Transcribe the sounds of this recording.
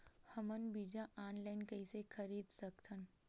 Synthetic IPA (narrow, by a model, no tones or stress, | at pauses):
hɐmənbiːd͡ʒaʔaːnlaːɪnkɐisexʰɐɾiːd̪sɐkt̪ʰən